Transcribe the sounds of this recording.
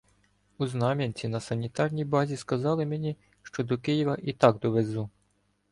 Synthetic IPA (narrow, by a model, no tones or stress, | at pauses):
uznɑmʲinʲt͡sʲinɐsɐnʲit̪ɑrnʲijbɑzʲiskɐzɑlˠɪmenʲi | ʃt͡ʃɔd̪ɔkɪjiʋɐʔit̪ɑɡd̪ɔʋezu